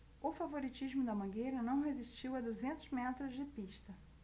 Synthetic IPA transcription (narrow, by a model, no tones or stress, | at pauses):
ʊfavoɾit͡ʃiʒmʊd̪ɐmɐ̃ɡejɾɐnɐ̃w̃ɦeziʃt͡ʃiwɐd̪uzẽnt̪ʊzmɛt̪ɾʊzd͡ʒɪpiʃt̪ɐ